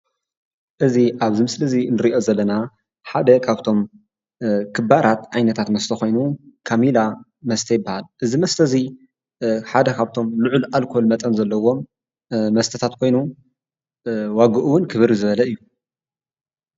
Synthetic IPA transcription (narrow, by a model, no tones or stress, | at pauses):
ʔɨziʔaβzimɨslɐzinɨɾiʔo̞zɐlːɐna | ħad̪ɐkʰaβt̪ʰo̞m | kʰɨbaɾat̪ʕajnɐt̪ʰat̪mɐst̪ʰɐxo̞jnukʰamila | mɐst̪ʰɐjɪɨbːahalʔɨzimɐst̪ʰɐzi | ħad̪ɐkʰaβt̪ʰo̞mluʕulalkʰo̞lmɐt̪ʼɐnzɐlːɐwo̞m | mɐst̪ʰɐt̪ʰat̪kʰo̞jnu | waɡɨʔuwʊnkʰɨβɨɾizɨβɐlɐɨjːu